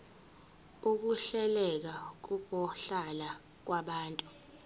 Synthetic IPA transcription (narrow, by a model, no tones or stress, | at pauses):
uk̬uɬɛlɛk̬ak̬ukɔɬala | k̬waɓaːntʼu